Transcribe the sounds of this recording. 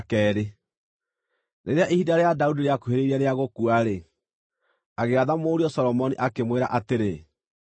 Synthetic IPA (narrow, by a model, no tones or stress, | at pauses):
kɛːɾe | neɾeaʔihidaɾeadaudiɾeakoɦeɾeiɾaɾeaɣokuaɾe | aɣeaðamoːɾiɔsɔɾɔmɔniʔakemweɾa̰ʔateɾe